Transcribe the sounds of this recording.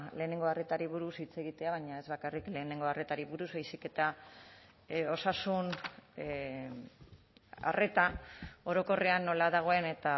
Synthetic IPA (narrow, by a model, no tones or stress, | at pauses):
le̞ːne̞ŋɡo̞are̞t̪aɾiβ̞uɾusit͡se̞ɣit̪e̞aβ̞aɲae̞zβakarikle̞ːne̞ŋɡo̞are̞t̪aɾiβuɾuzβajsike̞t̪a | o̞sasun | a̰re̞t̪ao̞ɾo̞ko̞reanːo̞laðaɣ̞o̞e̞ne̞t̪a